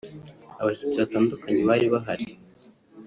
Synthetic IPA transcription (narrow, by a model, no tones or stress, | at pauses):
aβatu̥t͡siβataːndukaɲeβaɾiβaɦaɾi